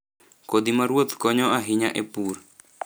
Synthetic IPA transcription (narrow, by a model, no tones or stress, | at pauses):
kod̪imaɾwot̪kɔɲɔaɦiɲaʔepur